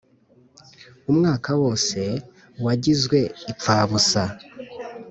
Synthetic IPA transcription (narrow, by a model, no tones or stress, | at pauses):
umŋaːkawo̞ːse̞ | waɟizɡwe̞ip͡faːβusa